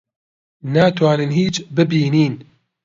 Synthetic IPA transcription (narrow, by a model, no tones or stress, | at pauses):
naːt̪waːnɨnɦiːt͡ʃbɨbiːniːn